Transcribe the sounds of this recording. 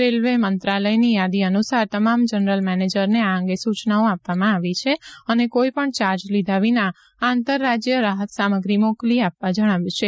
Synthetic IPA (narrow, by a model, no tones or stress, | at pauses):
ɾelʋemənt̪ɾaləjnijad̪iənusaɾt̪əmamd͡ʒənɾəlmɛned͡ʒəɾneaə̃ŋɡesut͡ʃnaõapʋamãaʋit͡ʃʰeənekoipəɳt͡ʃaɾd͡ʒlid̪ʱaʋina | ãnt̪əɾːad͡ʒjəɾaɦət̪saməɡɾimokliapʋad͡ʒəɽ̃aʋut͡ʃʰe